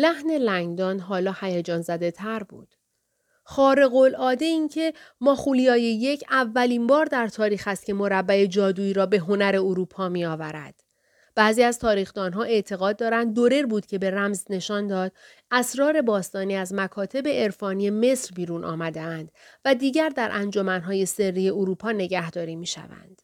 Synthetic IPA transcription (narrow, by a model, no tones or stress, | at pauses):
læhne̞læŋɡd̪ɒːnɦɒːlɒːhæjed͡ʒɒːnzæd̪e̞t̪ʰæɾbṵːd̪̥ | χɒːɾe̞ɣolɒːd̪e̞incʰe̞mɒːxulijɒːjeje̞cʰævːæliːmbɒːɾd̪æɾt̪ʰɒːɾiːxæst̪cʲʰe̞mo̞ɾæbːæed͡ʒɒːd̪uːiːɾɒːbe̞ɦo̞næɾe̞oɾuːpʰɒːmiɒːvæɾæ̰d̪̥ | b̥æːziːæzt̪ʰɒːɾiːxd̪ɒːnɦɒːʔe̞ʔt̪ʰe̞ɣɒːd̪̚ːɒːɾænd̪̚ːoɾe̞ɾbuːd̪̥cʰe̞be̞ɾæmzne̞ʃɒːnd̪ɒːd̪̥̚ | æsɾɒːɾe̞bɒːst̪ɒːniːæzmækʰɒːt̪ʰe̞beːɾfɒːnie̞me̞sɾbiːɾuːnʔɒ̰ːmæd̪eænd̪̥væd̪iːɟæɾd̪æɾʔænd͡ʒo̞mænɦɒːje̞se̞rːiːje̞oɾuːpʰɒːne̞ɟæhd̪ɒːɾiːmiːʃæ̰væ̰nd̪̥